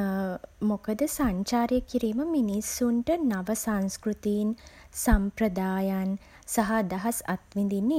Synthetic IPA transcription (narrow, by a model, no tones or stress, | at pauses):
mokəd̪əsaɲt͡ʃaːɾjəkiɾiːməminisːuɳʈənaʋəsanskɾut̪iːnsampɾəd̪aːjan | saɦad̪ɐɦɐsa̰t̪ʋind̪inːe